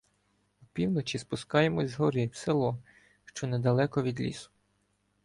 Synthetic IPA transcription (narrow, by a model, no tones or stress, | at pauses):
wpʲiwnɔt͡ʃispʊskɑjemɔzʲzɦɔɾɪwselˠɔ | ʃt͡ʃɔned̪ɐlˠɛkɔʋʲid̪lʲḭsʊ̥